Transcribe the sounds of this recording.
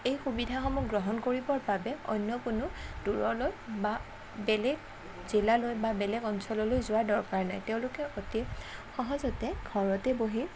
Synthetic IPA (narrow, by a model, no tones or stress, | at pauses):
ejxubidʱaxɔmɔkɡɹɔɦɔnkoɹibɔɹbabɛɔ̰jnjɔkʊnʊd̥uɹɔlojba | bɛlɛɡ | z̥ilalojbabɛlɛɡɔnsɔlɔlojzʊwaɹdɔɹkaɹnajteʊ̃lʊkɛʔotixɔɦɔzɔtɛɡʱɔɹɔtɛboɦi